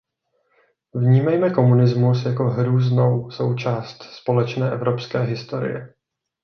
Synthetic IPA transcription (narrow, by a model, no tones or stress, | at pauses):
vɲiːmɛjmɛko̞munɪzmus̬jako̞ɦɾuːzno̞wso̞wt͡ʃaːst̪spo̞lɛt͡ʃnɛːʔɛvɾo̞pskɛːɦɪst̪o̞ɾɪ̰jɛ̰